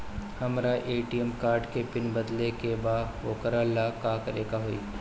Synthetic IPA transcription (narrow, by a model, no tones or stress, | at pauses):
hɐmɾaʔeːʈiəmkaːɾɖkepɪnbɐd̪lekebaːʋoːkəɾalakaːkəɾeːkaɦoḭː